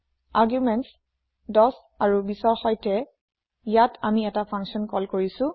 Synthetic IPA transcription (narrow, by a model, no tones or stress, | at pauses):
aɹɡjumɛnts | dɔs | aɹubisɔɹxɔjtɛ | ijatʰamiɛtapʰãŋksɔnkɔlkoɹisʊ̃